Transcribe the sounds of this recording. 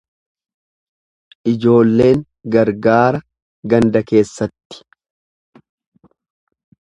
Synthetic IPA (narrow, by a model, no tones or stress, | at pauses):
ʔɪd͡ʒo̞ːlːe̞ːŋ | ɡɐɾɡaːɾɐ | ɡɐnd̪ɐke̞ːsːɐt̪ːɪ̥